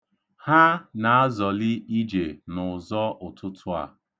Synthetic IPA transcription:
ha˦na˨a˦zɔ˨lɪ˦i˦d͡ʒe˨nʊ˨zɔ˦ʔʊ˨tʰʊ˦tʰʊ˦a̰˨

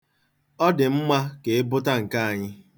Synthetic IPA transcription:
ɔ˦dɪ˨m̩˦ma˦ke˨e˦bʊ˦ta˦ŋ̩˨ka˦a˨ɲɪ˦

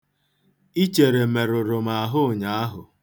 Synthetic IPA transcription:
i˦t͡ʃe˨ɾe˨me˨ɾʊ˨ɾʊ˨ma˨a˨ɦʊ˦˨ɲa˨a˦ɦʊ˨

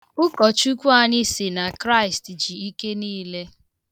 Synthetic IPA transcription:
ʊ˦kɔ˨t͡ʃu˦kʷu˦a˨ɲɪ˦sɪ˨na˨kɾa˦ɪ˨std͡ʒi˨i˦ke˦niː˦le˦

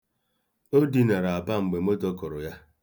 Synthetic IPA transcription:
o˦di˨na˨ɾa˨a˨ba˦ŋ͡m̩˨ɡ͡be˨m̩˦o˦tɔ˦kɔ˨ɾʊ˨ja˦

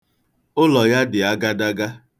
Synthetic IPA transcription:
ʊ˦lɔ˨ja˦dɪ˨a˦ɡa˦da˦ɡa˦

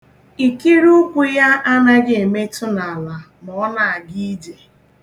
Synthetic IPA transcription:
i˨ki˦ɾu˦kʷu˨ja˦ʔa˦na˦ɡe˦˨e˨me˦tʊ˦na˨a˨la˨ | nɔ˨ɔ˦na˨a˨ɡi˦i˦d͡ʒe˨

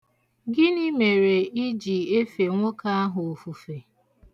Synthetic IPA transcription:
ɡɪ˦ni˦me˨ɾe˨i˦d͡ʒi˨e˦fe˨ŋʷo˦ka˦a˦ɦʊ˨o˨fu˨fe˨

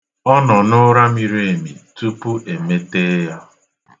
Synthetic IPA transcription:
ɔ˦nɔ˨nʊ˦ɾa˦mi˨ɾe˦e˨mi˨tu˦pu˦ʔe˨me˦te˦ja˦

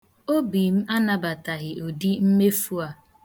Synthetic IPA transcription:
o˦bi˨m̩˦a˦na˨ba˨ta˨ɣɪ˨ʔo˨di˦m̩˦me˦fu˦a˨

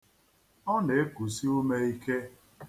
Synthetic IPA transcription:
ɔ˦ne˨e˦ku˨si˦o˦me˦i˦ke˦

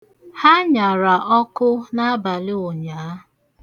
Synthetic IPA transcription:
ha˦ɲa˨ɾa˨ʔɔ˦kʊ˦na˦a˦ba˨lɪ˦o˨ɲaː˨˦

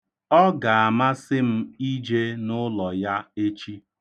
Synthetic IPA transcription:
ɔ˦ɡa˨a˨ma˦sɪ˦m̩˦i˦d͡ʒe˦nʊ˦lɔ˨ja˦e˦t͡ʃi˦

